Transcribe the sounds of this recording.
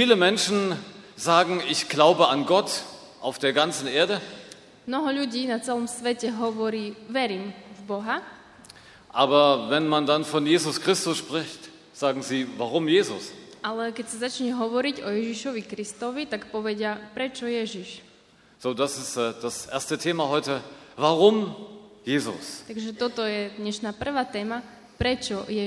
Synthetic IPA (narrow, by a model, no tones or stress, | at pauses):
fiːləmɛnʃn̩zaːɡŋ̩ɪçɡ̥laʊbəanɡɔt | ʔaʊfd̥eːɐɡant͡sn̩ʔeːɐdə | mnɔɦɔʎuɟiːnat͡sɛlɔmsʋɛcɛɦɔʋɔɾiːʋɛɾiːmvbɔɦa | ʔaːbɐvɛnmandanfɔnjeːzʊskʁ̥ɪstʊsʃpʁ̥ɪçt | z̥aːɡŋ̩ziːvaʁʊmjeːzʊ̰sʔalɛkɛcsazat͡ʃɲɛɦɔʋɔɾiɟɔjɛʒiʃɔʋikɾist̪ɔʋit̪akpɔʋɛɟɪapɾɛt͡ʃɔjɛʒiʃ | z̥oːdasɪstːd̥asʔḛːɐstətʰeːmaɦɔʏtəvaʁʊmjeːzʊ̰st̪aɡʒɛt̪ɔt̪ɔjɛd̪ɲɛʃnaːpr̩ʋaːt̪ɛːma | pɾɛt͡ʃɔjɛ